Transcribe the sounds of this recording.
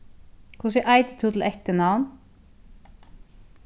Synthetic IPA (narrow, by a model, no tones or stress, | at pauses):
kʰʊsɛʔæɪt̪ət̪ʰuːt̪l̩ʔɛçt̪ənɑwn